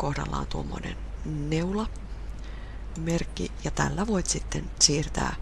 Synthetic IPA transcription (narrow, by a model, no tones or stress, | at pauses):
kohdɑlːɑ̰ont̪uomːonenneulɑ | merkːijɑt̪ælːæʋoit̪ʲsit̪ːensiːrt̪æ̰ː